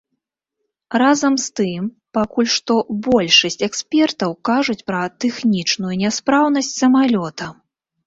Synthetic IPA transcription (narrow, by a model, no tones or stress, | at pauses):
razɐmst̪ɨm | pakulʲʂt̪ɔbɔlʲʂɐsʲt͡sʲɛkspʲɛrt̪ɐwkaʐut͡sʲpɾɐt̪ɛxnʲit͡ʂnujunʲaspɾawnɐsʲt͡sʲsɐmalʲɔt̪ɐ